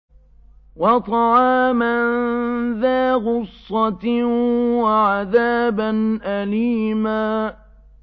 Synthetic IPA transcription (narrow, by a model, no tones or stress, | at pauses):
wɑt̪ˤɑʕɑːmanðaːɣʊsˤːɑt̪ | waʕaðaːbanʔaliːmaː